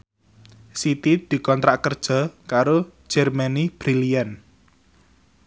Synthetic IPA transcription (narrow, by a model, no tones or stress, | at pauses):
sit̪id̪̥i̤kɔnt̪ɾaʔkərd̥ʒ̥ɔ̤kaɾo̥ʒ̥ɛrmanib̥ɾilian